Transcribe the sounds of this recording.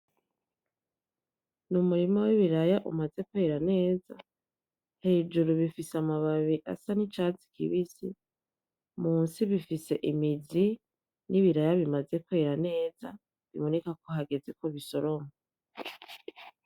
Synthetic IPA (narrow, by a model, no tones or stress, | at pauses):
numuɾimowiβiɾajaʔṵmaze̞kweɾane̞ːza | he̞ːd͡ʒuɾuβifisamaβaβiʔa̰sanit͡ʃaːt͡si̥kʰḭβisḭ | muːnsiβifise̞ʔimizi | nʔiβiɾajaβimaze̞kweɾane̞ːz̥a | βḭmonekakoɦaɡe̞ze̞koβiso̞ɾoma